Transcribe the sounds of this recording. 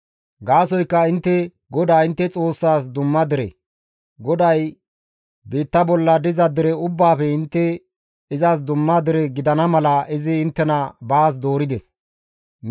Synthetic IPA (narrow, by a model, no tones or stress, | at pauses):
ɡaːsɔjkːɐɪnt̪ːɛ | ɡɔd̪aːɪnt̪ːɛt͡sʼo̞ːsːaːsd̪ʊmːɐd̪ɪɾɛ̰ | ɡɔd̪ɐj | beːt̪ːɐbɔlːɐd̪ɪzɐd̪ɪɾɛʊbːaːfɛɪnt̪ːɛ | ɪzas̬d̪ʊmːɐd̪ɪɾɛɡɪd̪ɐnɐmɐlɐʔɪzɪɪnt̪ːɛnɐbaːs̬d̪o̞ːɾɪd̪ɛs